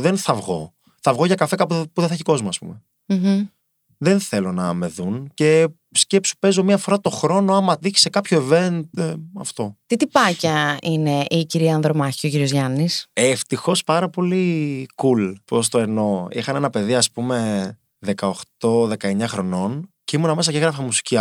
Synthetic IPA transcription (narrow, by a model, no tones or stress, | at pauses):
ðe̞nθɐvɣo̞̰ | θɐvɣo̞ʝɐkɐfe̞kɐpupuðeθçiko̞zmoɐspṵme̞ | ðe̞nθe̞lo̞nɐme̞ðunce̞ | sce̞psu̥pe̞zo̞miɐfo̞ɾɐt̪o̞xɾo̞noɐmɐd̪içi̥se̞kɐpço̞eve̞nd̪eɐ̰ft̪o̞t̪it̪ipɐcɐine̞ʔiciɾiɐɐnðɾomɐçiociɾiozʝɐniseft̪ixo̞spɐɾɐpo̞likulpos̬t̪oeno̞ixɐnenɐpe̞ðiɐspume̞ | ðe̞kɐoxt̪o̞ðe̞kɐe̞ɲɐxɾo̞no̞nceimunɐme̞sɐceɣɾɐfɐmusi̥ciɐ